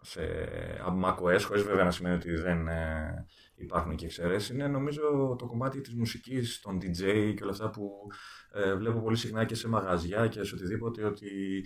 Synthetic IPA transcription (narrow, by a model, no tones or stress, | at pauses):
se̞̰ɐ̰mɐko̞e̞sxo̞ɾizve̞veɐnɐsime̞nio̞t̪iðe̞n | ipɐɾxunceːkse̞ɾe̞sineno̞mizo̞t̪o̞ko̞mɐt̪it̪izmusicist̪o̞nd̪id͡ze̞iceo̞lɐft̪ɐpu | vle̞popo̞lisixnɐce̞se̞mɐɣɐzʝɐce̞seo̞t̪iðipo̞t̪e̞o̞t̪i